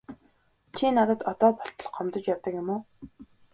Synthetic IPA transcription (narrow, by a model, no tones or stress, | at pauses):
t͡ɕʰinat̪ə̆t̪ɔt̪ɔːpɔɬt̪ɞ̆ɮɞ̆χɔmt̪ɞ̆t͡ɕjawt̪ə̆kjʊ̆moː